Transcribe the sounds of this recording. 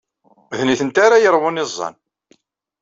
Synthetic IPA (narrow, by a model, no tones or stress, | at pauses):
ðniθənt̪aɾajəɾˤwʊnizˤːɑ̰n